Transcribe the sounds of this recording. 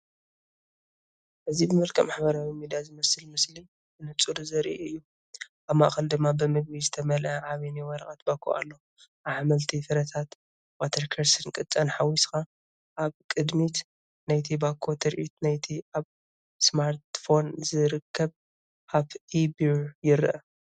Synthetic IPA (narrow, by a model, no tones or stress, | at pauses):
ʔɨzibɨmɨlkʼɐmaħbɐɾawimid̪ijazɨmɐsɨlmɨsli | ɨnɨt͡sʼuɾuzɐɾʔiɨjːu | ʔaβma̰ʔxʼɐld̪ɨmːabɨmɨɡ̚βizɨt̪ʰɐmɐlʔɐʕaβiniwɐɾɐ̰ʔʼat̪bakʰo̰ʔa̰lːo | aʕamɐlt̪ʰifɨɾɐt̪ʰat̪ | wat̪ʰɐɾkʰɐɾsɨnkʼɨt͡sʼɐnħawisxa | ʔaβkʼɨd̪mit̪ | najt̪ʰibakʰot̪ʰɐɾʔit̪najt̪ʰiʔaβ | smaɾt̪fo̞nzɨɾɨkʰːɐβ | ʔʰaβʔibijɪɾʔɐ